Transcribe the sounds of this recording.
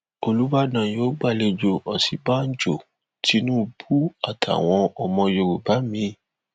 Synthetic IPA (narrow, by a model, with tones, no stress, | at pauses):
o˧lu˨˦ba˦dã˨joː˨˦ɡ͡ba˦˨le˧˨d͡ʒo˧ɔ˨si˨˦ba˦n̩˦d͡ʒo˨ | tʰi˨˦nũ˦˧bu˦a˦˨tʰa̰˨w̃ɔ̃˧ɔ˧mɔ̃˧jo˧˨ɾu˨ba˨˦mĩ˨˧˦